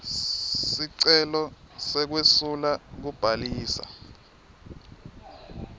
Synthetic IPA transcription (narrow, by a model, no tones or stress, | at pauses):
siǀɛlɔ | sɛk̬wesulak̬ub̥ʱaliːsa̰